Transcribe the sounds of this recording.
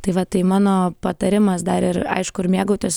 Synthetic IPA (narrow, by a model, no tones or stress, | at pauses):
t̪ɐɪʋɐt̪ɐɪmɑːnoːpɐt̪ɐɾʲɪmɐsd̪ɐɾɪɾɐ̰ɪʃkʊɪɾmʲiːɡoʊt̪ʲoːs